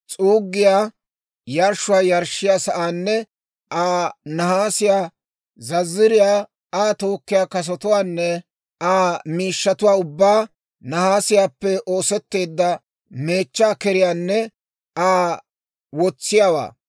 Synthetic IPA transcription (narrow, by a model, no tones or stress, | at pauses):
t͡sʼuːɡːɪjaː | jɐɾʃːʊwaːjɐɾʃːɪjaːsɐʔaːnːɛ | ʔaːnɐhaːsɪjaː | zɐzːɪɾɪjaː | aːt̪o̞ːkːɪjaːkɐs̬ɔt̪ʊwaːnːɛ | aːmiːʃːɐt̪ʊwaːʊbːaː | nɐhaːsɪjaːpːɛʔo̞ːsɛt̪ːe̞ːd̪ːɐ | me̞ːt͡ʃːaːkɛɾɪjaːnːɛ | aː | wɔt͡sːɪjaːwa̰ː